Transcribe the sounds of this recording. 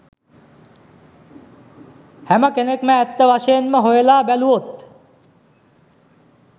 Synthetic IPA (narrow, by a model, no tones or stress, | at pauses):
hæməkenekməːt̪ːəʋaʃəjenməɦojelaːbæluot̪